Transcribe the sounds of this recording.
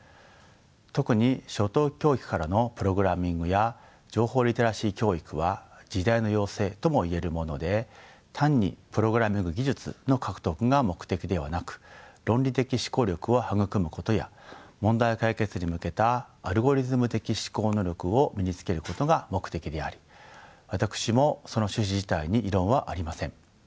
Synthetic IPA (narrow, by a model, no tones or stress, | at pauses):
t̪o̞kɯ̟ɲ̟iɕo̞t̪oːkʲo̞ːikɯ̟̥kaɾano̞pɯ̟ɾo̞ɡɯ̟ɾamʲĩŋɡɯ̟ja | d͡ʑo̞ːho̞ːɾʲit̪oɾaɕiːkʲo̞ːikɯ̟βad͡ʑid̪aino̞jo̞ːse̞ːt̪o̞mo̞ie̞ɾɯ̟mo̞no̞d̪e̞t̪ʰãɲ̟ːḭpɯ̟ɾo̞ɡɯ̟ɾamʲĩŋɡɯ̟ɡʲiʑɨt͡sɨ̰no̞kʰakɯ̟̥t̪o̞kɯ̟ɡamo̞kɯ̟̥t̪e̞kʲid̪e̞β̞anakɯ̟̥ɾõ̞nʲɾʲit̪e̞kʲiɕi̥ko̞ːɾʲo̞kɯ̟o̞haɡɯ̟kɯ̟mɯ̟ko̞t̪o̞ja̰mõ̞nd̪aikaike̞t͡sɨɲ̟imɯ̟ke̞t̪aːɾɯ̟ɡo̞ɾʲizɨmɯ̟t̪e̞kʲiɕi̥ko̞ːno̞ɾʲo̞kɯ̟o̞mʲiɲit͡sɨ̥ke̞ɾɯ̟ko̞t̪o̞ɡamo̞kɯ̟̥t̪e̞kʲid̪e̞aɾʲi̥βat̪akɯ̥ɕimo̞so̞no̞ɕɨɕ̬iʑit̪aiɲ̟iʔːɾõ̞ɰ̃βaʔaɾʲimasẽ̞ɴ̃